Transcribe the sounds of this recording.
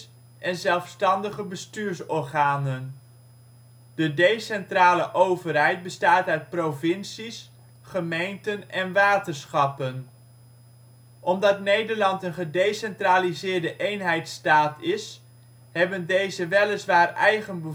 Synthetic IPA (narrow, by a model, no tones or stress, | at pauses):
ʔɛnzɛlˠfstɑndəχəbəstyːɹsɔɹχaːnən | dədejsɛntraːləʔowvərɦɛjd̚bəstaːtœɥt̚provɪnsis | χəmejntənɛnʋaːtənsχɑpən | ʔɔmdɑtnejdəɹlɑntənχədejsɛntraːlizɪːɹdəʔejnɦɛjtstaːtɪs | ɦɛbəndejzəʋɛləsʋaːrɛjχənbə